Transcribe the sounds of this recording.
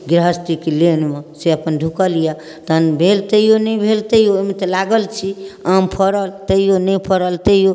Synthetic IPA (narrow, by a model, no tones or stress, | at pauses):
ɡɾɦəst̪ikelenmeseəpənɖʱukəlija | t̪ənbʱelt̪əijonəjbʱelt̪əjoemet̪əlaɡəlt͡ʃʰiãmpʰəɾəlt̪əijonəjpʰəɾəlt̪əijo